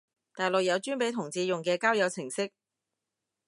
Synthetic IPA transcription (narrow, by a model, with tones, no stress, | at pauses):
t̪aː˨˩jlʊ˨k̚jɐ˨˧wt͡ʃyː˥npe˨˥jt̪ʰʊ˨˩ŋt͡siː˨˧jʊ˨ŋkɛː˧kaː˥wjɐ˨˧wt͡sʰɪ˨˩ŋsɪ˥k̚